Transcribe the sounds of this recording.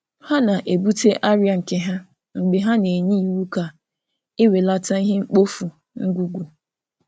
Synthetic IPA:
ha˦na˨ʔe˨bu˦te˦ʔa˦ɾja˨ŋ̩˨ke˨ɦa˦ | ŋ͡m̩˨ɡ͡be˨ɦa˦ne˨ɲi˦i˨wu˦ka˨ | ɪ˦we˨la˦ta˦i˦ɦe˦ŋ͡m̩˦k͡po˦fu˨ | ŋ̩˦ɡʷu˨ɡʷu˨

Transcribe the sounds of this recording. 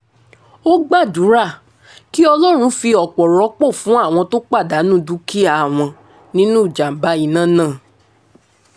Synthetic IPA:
o˦ɡ͡ba˦˨du˨˦ɾa˦˨ | ki˦ɔ˧lɔ˦ɾ̃ũ˧fi˧ɔ˨k͡pɔ˨ɾɔ˨˦k͡po˦˨fũ˨˦a˦˨w̃ɔ̃˧to˦k͡pa˦˨da˨˦nũ˦˨du˦kʰi˦a˨w̃ɔ̃˧ | nĩ˦nũ˦˨d͡ʒa˨m̩˨ba˨˦i˨nã˦˨nãː˦˨

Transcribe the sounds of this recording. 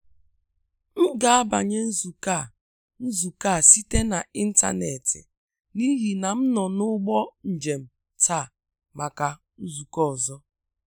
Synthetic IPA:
m̩˦ɡa˨a˦ba̰˨ɲe˦n̩˦zu˨ka˦˨ | n̩˦zu˨ka˦˨si˦te˦na˨i˦n̩˦ta̰˦ne˨tɪ̰˨ | ni˦ɦi˨na˨m̩˦nɔ˨nʊ˦ɡ͡bɔ˦n̩˨d͡ʒe˨m̩˨ | tʰa˦˨ | ma˨ka˨ | n̩˦zu˨kɔ˦ɔ˨zɔ˦

